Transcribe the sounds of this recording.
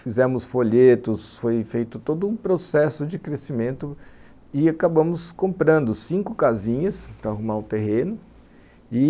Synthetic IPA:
fizɛ̃mʊsfoʎet̪ʊsfojfejt̪ʊt̪od̪ʊũpɾosɛsʊd͡ʒɪkɾesimẽnt̪ʊ | ɪakabɐ̃mʊskõmpɾɐ̃nd̪ʊsĩkʊkazĩɲɐspɾɐaɦumaɾʊt̪eɦẽnʊ | ɪ

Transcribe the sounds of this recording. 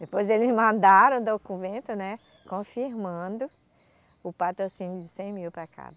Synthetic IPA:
d̪epojzelɪzmɐ̃nd̪aɾɐ̃w̃d̪okũvẽnt̪ʊnɛ | kõfiɾmɐ̃d̪ʊ | ʊpat̪ɾosĩnjʊd͡ʒɪsẽj̃miwpɾakʰa̰bɐ

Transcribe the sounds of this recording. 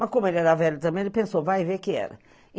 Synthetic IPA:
mɐskõmʊelɪɛɾɐvɛʎʊt̪ɐ̃mbẽj̃elɪpẽsovajvekɪɛ̰ɾɐ̰

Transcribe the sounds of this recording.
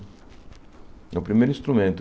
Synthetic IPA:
ɛwpɾimejɾũĩst̪ɾumẽnt̪ʊ

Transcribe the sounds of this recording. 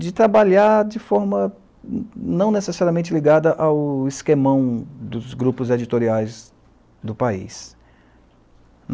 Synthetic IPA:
d͡ʒɪt̪ɾabaʎaɾd͡ʒɪfɔɾmɐ | nɐ̃w̃nesesaɾiɐmẽt͡ʃɪliɡad̪ɐʔawɪskemɐ̃w̃d̪ʊzɡɾupʊzed͡ʒit̪oɾiajz | d̪ʊpaḭs | n

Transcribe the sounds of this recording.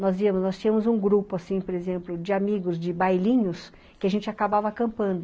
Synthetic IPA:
nɔzviɐmʊznɔst͡ʃĩɲɐ̃mʊzũɡɾupʊasĩpoɾezẽmplʊd͡ʒɪamiɡʊzd͡ʒɪbajlĩɲʊs | kɪaʒẽnt͡ʃɪakabavɐkɐ̃mpɐ̃nd̪ʊ

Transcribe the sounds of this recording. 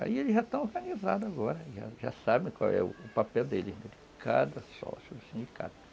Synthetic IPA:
a̰ielɪʒat̪ɐ̃w̃oɦɡɐniza̰d̪ʊaɡɔɾɐʒa̰ʒa̰sabẽj̃kwa̰wɛ̰ʊːpapɛwd̪elɪznɛd͡ʒɪkʰad̪ɐsɔ̰susĩnd͡ʒika̰d̪ɐ

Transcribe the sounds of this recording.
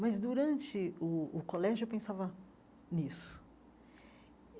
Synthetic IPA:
mɐzd̪uɾɐ̃nt͡ʃɪʊːkolɛʒʊewpẽsavɐ | nisʊ̥

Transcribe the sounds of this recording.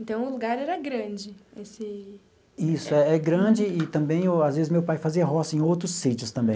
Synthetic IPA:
ẽt̪ɐ̃w̃ʊluɡaɾɛɾɐɡɾɐ̃d͡ʒɪesɪ | isʊɛɛɡɾɐ̃d͡ʒɪɪt̪ɐ̃mbẽj̃eazvezɪzmewpajfaziɐɦɔsɐẽj̃owt̪ɾʊsːit͡ʃiʊst̪ɐ̃mbẽ

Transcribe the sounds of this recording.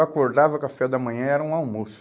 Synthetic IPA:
akoɾd̪avɐkafɛɐd̪ɐmɐ̃ɲɐ̃ɛɾɐũawmusʊ

